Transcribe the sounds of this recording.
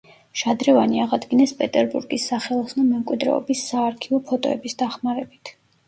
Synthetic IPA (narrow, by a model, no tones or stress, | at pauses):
ʃad̪ɾɛvaniaʁad̪ɡinɛspʼɛt̪ʼɛɾbuɾɡisːaχɛlˠɔsnamɛmkʼwid̪ɾɛ̰ɔ̰bisːaːɾkʰivɔpʰɔt̪ʼɔ̰ɛ̰bisd̪aχmaɾɛbit̪ʰ